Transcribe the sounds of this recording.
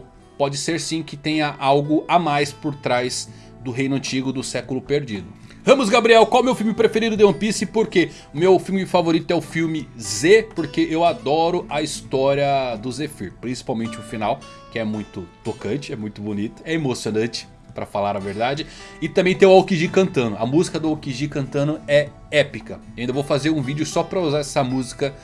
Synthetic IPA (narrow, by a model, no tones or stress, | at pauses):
pɔd͡ʒɪseɾsĩkɪt̪ẽj̃ɐʔawɡʊamajspoɾt̪ɾajz | d̪ʊɦej̃nʊɐ̃nt͡ʃiɡʊd̪ʊsɛkʊlʊpeɾd͡ʒid̪ʊ | hɐ̃mʊzɡabɾiɛwkwawumewfiwmɪpɾefeɾid̪ʊd̪eɐ̃pisɪpoɾke | ʊmewfiwmɪfavoɾit̪ʊɛʊfiwmɪzepoɾkeʔewad̪ɔɾʊʔɐist̪ɔɾjiɐd̪ʊzefḭɾpɾĩsi̥pawmẽnt͡ʃɪʊfinaw | kɪɛmũj̃t̪ʊt̪okɐ̃nt͡ʃɪɛmũj̃t̪ʊbonit̪ʊ̥ɛemosionɐ̃nt͡ʃɪ̥ | pɾɐfalaɾɐveɾd̪ad͡ʒɪɪt̪ɐ̃mbẽj̃t̪ẽʊawkiʒikɐ̃nt̪ɐ̃nʊɐ̰muzikɐd̪ʊawkiʒikɐ̃nt̪ɐ̃nʊɛ | ɛpikɐeɐĩd̪ɐvowfazeɾũvid͡ʒʊsɔpɾɐuzaɾɛsɐmuzikɐ